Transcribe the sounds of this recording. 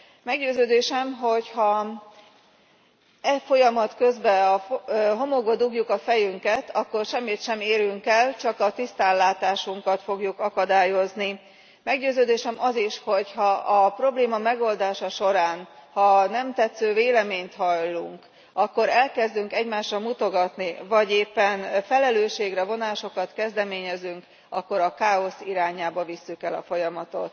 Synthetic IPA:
mɛɡɟøːzøːd̪eːʃɛmɦo̞chɒ | ɛfo̞jɒmɒt̪kø̞zbɛɒɦo̞moɡbɒd̪uɡjukɒfɛjyŋkɛt̪ɒkːo̞rʃɛmːit̪ʃɛmeːɾyŋkɛlt͡ʃɒkɒt̪ist̪aːlːaːt̪aːʃuŋkɒt̪fo̞ɡjukɒkɒd̪aːjo̞zni | mɛɡɟøːzøːd̪eːʃɛmɒziʃho̞chɒʔɒpro̞bleːmɒmɛɡo̞ld̪aːʃɒʃo̞ɾaːnhɒnɛmt̪ɛt̪søːveːlɛmeːɲt̪hɒjlːuŋk | ɒkːo̞ɾɛlkɛzd̪yŋkɛɟmaːʃrɒmut̪o̞ɡɒt̪nivɒɟeːpːɛnfɛlɛløːʃːeːɡrɛvo̞naːʃo̞kɒt̪kɛzd̪ɛmeːɲɛzyŋk | ɒkːo̞ɾɒkaːo̞siɾaːɲaːbɒvisːykɛlɒfo̞jɒmɒt̪o̞t̪

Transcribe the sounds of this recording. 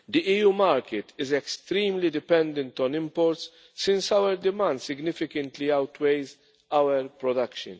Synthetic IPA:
d̪iʔiːjuːmɐːɾkɪt̪ɪzɛkst̪ɾiːmlid̪ɪpɛ̃nd̪ɛ̃nt̪ɔ̃nɪmpɔɾt̪sː | ɪ̃nsɐwəɾd̪ɪmɐ̃nd̪sɪɡnɪfɪkə̃nt̪liɐwt̪ʰwejz | ɐwəɾpɾɔd̪ɐkʃə̰̃n

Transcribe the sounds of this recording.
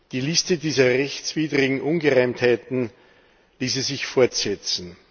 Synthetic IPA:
d̥iːlɪstədiːzɐʁɛçt͡sv̥iːdʁɪɡŋ̩ʔʊnɡəʁaɪmthaɪtn̩ | liːs̬izɪçfoɐtz̥ɛt͡sn̩

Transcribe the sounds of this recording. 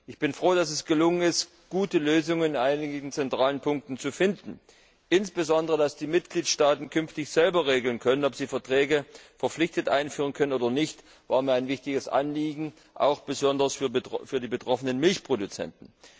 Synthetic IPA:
ʔɪçb̥ɪnfʁ̥oːdasɛsɡ̥əlʊŋənɪst | ɡ̥uːtəløːzʊŋənɪnʔaɪnɪŋ̩t͡sɛntʁ̥aːlənpʰʊŋk̚tn̩t͡sufɪndn̩ | ʔɪnsb̥əzɔndəʁədasd̥iːmɪt̚ɡ̥liːtʃtaːtn̩kʰʏnftɪçz̥ɛlbɐʁeːɡl̩nkʰœnənɔpz̥iːfɛɐtʁ̥ɛːɡəfɛɐp͡flɪçtətʔaɪnfyːʁənkʰœnənoːdɐnɪçt | vaːɐmiːɐaɪnvɪçtɪɡəsʔa̰nliːɡŋ̩ | ʔa̰ʊxb̥əzɔndɐsffyːɐdiːbətʁ̥ɔfənənmɪlçpʁ̥odut͡sɛ̰ntn̩

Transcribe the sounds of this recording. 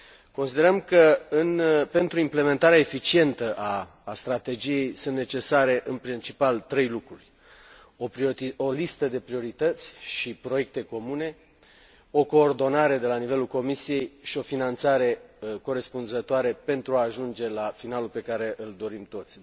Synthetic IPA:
ko̞nsid̪e̞ɾəmkəɨnpe̞nt̪ɾuimple̞me̞nt̪aɾeaefit͡ʃie̞nt̪əʔaː | st̪ɾat̪e̞d͡ʒije̞jsɨnt̪ne̞t͡ʃe̞saɾe̞ʔɨnpɾint͡ʃipalt̪ɾe̞jlukɾurʲ | opɾo̞list̪əd̪e̞pɾio̞ɾit̪ət̪sʲʃipɾo̞je̞k̚t̪e̞ko̞mune̞ | o̞ko̞ːrd̪o̞naɾe̞d̪e̞lanive̞lulko̞misije̞jʃio̞finant̪saɾe̞ko̞ɾe̞spunzət̪oaɾepe̞nt̪ɾuaːʒund͡ʒe̞lafinalulpe̞kaɾe̞ʔɨld̪o̞ɾimt̪o̞t̪sʲ

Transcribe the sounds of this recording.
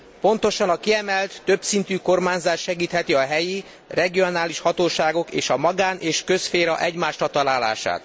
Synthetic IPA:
po̞n̪t̪o̞ʃɒnɒkiɛmɛlt̪ːø̞bsint̪yːko̞rmaːɲzaːʃʃɛɡiːt̪hɛt̪iɒɦɛji | rɛɡio̞naːliʃhɒt̪oːʃaːɡo̞kḛːʃɒmɒɡaːneːʃkø̞sfeːɾɒʔɛɟmaːʃɾɒt̪ɒlaːla̰ːʃa̰ːt̪

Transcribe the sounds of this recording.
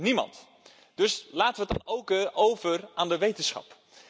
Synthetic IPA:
nimɑ̰nt | d̥ɵslaːtəʋətdɑ̰nowkowvəraːndəʋejtənsχɑ̰p

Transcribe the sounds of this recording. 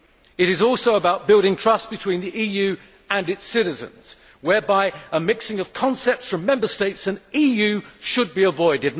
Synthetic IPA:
ɨɾɨzɔˑlˠsoʊəbaʊt̚b̥ɪlˠɾɪ̃ŋtʰɹ̥ʌsb̥ɨtʰw̥ĩnðiʔijʉ | ɨ̃nɨtsɪɾɨzɨ̰̃nz̥ | wɛ˞baɪəmɪksɪ̃ŋʌv̥kʰɑ̃nsɛp̚tsfɹʌ̃mːɛ̃mbə˞steɪtsɨ̃nijʉʃəd̚biəvɔɪdɨdⁿ

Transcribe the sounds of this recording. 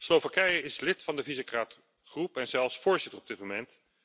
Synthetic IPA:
slowvakɛjɪslɪtfɑndəvizəkraːt | χrupɛnzɛlˠfsfʊːɹzɪtərɔbdɪt̚momɛnt

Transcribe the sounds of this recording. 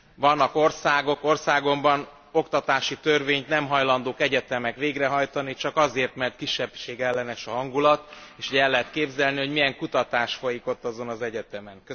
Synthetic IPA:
vɒnːɒko̞rsaːɡo̞ko̞rsaːɡo̞mbɒn | o̞kt̪ɒt̪aːʃit̪ørveːɲt̪nɛmɦɒjlɒnd̪oːkɛɟɛt̪ɛmɛkʋeːɡrɛɦɒjt̪ɒnit͡ʃɒkɒzeːrt̪mɛrt̪̚kiʃːɛbʃeːɡɛlːɛnɛʃɒɦɒŋɡulɒt̪eːʃuɟɛlːɛɦɛt̪keːbzɛlniɦo̞ɟmijɛŋkut̪ɒt̪aːʃfo̞jiko̞t̪ːɒzo̞nɒzɛɟɛt̪ɛmɛnk

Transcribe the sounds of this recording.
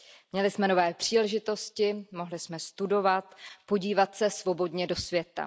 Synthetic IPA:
mɲɛlɪsmɛno̞vɛːpr̝̥iːlɛʒɪt̪o̞scɪmo̞ɦlɪsmɛst̪udo̞vat̪po̞ɟiːvat̪sɛsvo̞bo̞dɲɛdo̞svjɛt̪a̰

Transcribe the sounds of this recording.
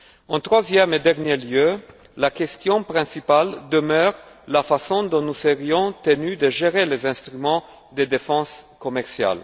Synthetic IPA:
ɑ̃t̪χwazjɛmed̪ɛʁnjeljø | lakɛst̪jɔ̃pχɛ̃sipald̪əmœːʁ | lafasɔ̃d̪ɔ̃nusəʁjɔ̃t̪ənyd̪əʒeʁelezɛ̃st̪ʁymɑ̃ | d̪ed̪efɑ̃skɔmɛʁsja̰l

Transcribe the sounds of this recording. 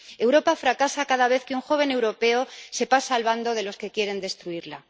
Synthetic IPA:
e̞wɾo̞pafɾakasakaðaβ̞e̞θkeuŋxo̞β̞e̞ne̞wɾo̞pe̞ose̞pasaːlβand̪o̞ð̞e̞lo̞ske̞kje̞ɾe̞nd̪e̞st̪ɾuiɾla

